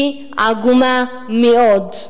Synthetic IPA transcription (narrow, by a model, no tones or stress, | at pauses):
a̰ɡuma | miɔd